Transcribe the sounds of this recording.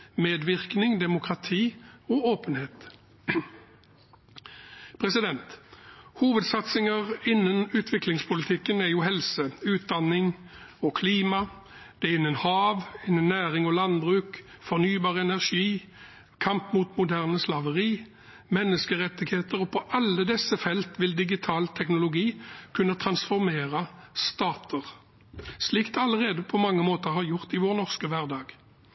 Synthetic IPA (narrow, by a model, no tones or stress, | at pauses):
meːd̪ʋɪʁknɪŋd̪ɛmʊkʁɑt̪ʰiːɔoːpənheːt̪ | pʰʁɛsɪd̪ɛnt̪huːʋəd̪sɑt̪sɪŋəʁɪnːənʉːt̪ʰʋɪklɪŋspʰʊlɪt̪ʰɪkːənæjuːhɛlsəʉːt̪̚d̪ɑnɪŋ | ɔkʰliːmɑ | d̪̥ɛʁɪnːənhɑːʋɪnːənːæːʁɪŋɔlɑnbʁʉːkfɔʁnyːbɑːʁəɛnæʁʃiː | kʰɑmpmut̪mʊd̪æʁnəslɑʋəʁiː | mɛnːəskəʁɛt̪ːɪɡheːt̪əʁɔpʰɔʔɑlːəd̪ɛsːəfɛlt̪ʋɪld̪ɪɡɪt̪ʰɑːlt̪ʰɛknʊlʊɡiːkʰʉnːət̪ʰʁɑnsfɔʁmeːʁɑst̪ɑːt̪ʰəʁ | slikt̪ɛɑləʁeːd̪əpʰɔmɑŋːəmoːt̪əʁhɑːʁjʊʁt̪ɪʋoːʁnɔʁskəʋæʁd̪ɑːɡ̥